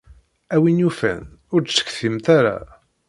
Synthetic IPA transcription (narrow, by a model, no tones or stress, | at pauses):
æwinufæ̰nʊɾsə̥kːθimt̪aɾa̰